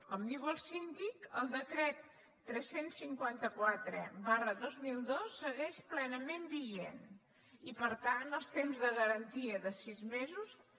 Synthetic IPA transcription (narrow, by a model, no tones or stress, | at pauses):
kɔmd̪iwəlˠsind̪ikəlˠd̪əkɾɛt̪ː | ɾɛsensːiŋkwant̪əkwat̪ɾə̰βarəðozmilˠd̪osːəɣɛʃplɛnəmembiʒen | ipəɾt̪anəlˠst̪emzðəɣəɾənt̪iəðəsizmezus